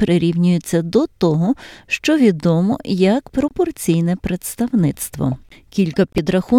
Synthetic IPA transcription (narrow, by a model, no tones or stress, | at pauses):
pɾɪɾʲiwnʲʊjʊt͡sʲːɐd̪ɔt̪ɔɦɔʃt͡ʃɔʋʲid̪ɔmɔ̰jɐkpɾɔpɔrt͡sʲijnɛpɾet̪st̪ɐwnɪt̪st̪ʋɔ̰kʲilʲkɐpʲid̪ɾɐxu